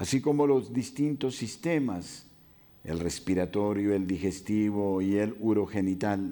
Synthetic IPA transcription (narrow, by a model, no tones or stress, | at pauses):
asiko̞mo̞lo̞zd̪ist̪int̪o̞sːist̪e̞mas | ḛlre̞spiɾat̪o̞ɾjoe̞ld̪ixe̞st̪iβoieluɾo̞xe̞nit̪al